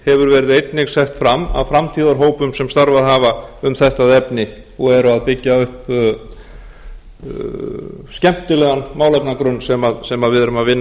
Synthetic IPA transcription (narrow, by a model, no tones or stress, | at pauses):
hɛvʏɾvɛːɾɪðejt̪nɪɣsɛht̪fɾamːa̰vfɾamt̪ʰiːðaɾɦoːwpʏmsɛmst̪aɾvaðɦaːvaʏmθɛht̪aðɛpnɪ | ɔɣɛɾʏaðpɪcːaʏhp | scɛm̥t̪ɪlɛːɣanmaːwlɛpnakɾʏnsɛmaðsɛmaðvɪðɛɾʏmaðvɪnː